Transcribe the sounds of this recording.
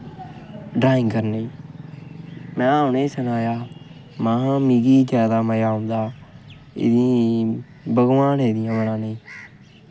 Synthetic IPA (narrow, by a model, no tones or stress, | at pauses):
ɖaːɪŋɡkəɾneː | mɛ̃ːaːʊneːsənaːjaː | mãːɦãːmiːɡiːd͡ʒɛːd̪aːməjaːɦʊ̃nd̪aː | ɪ̰d̪ĩː | bəɡʋãːnɦɛːd̪ɪjãːʋəlãːneː